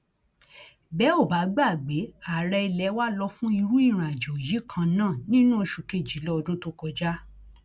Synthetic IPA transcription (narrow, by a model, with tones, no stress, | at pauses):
bɛ˨˦o˦˨ba˨˦ɡ͡ba˦˨ɡ͡be˨˦a˨ɾɛ˧i˧lɛ˨˦wa˦lɔ˧fũ˦i˧ɾu˦i˦˨ɾ̃ã˨d͡ʒɔ˨ji˨˦kʰã˧nãː˦˨nĩ˦nũ˦o˧ʃu˧˨ke˦˨d͡ʒi˨˦lɔ˦ɔ˧dũ˦to˦kɔ˧d͡ʒa˦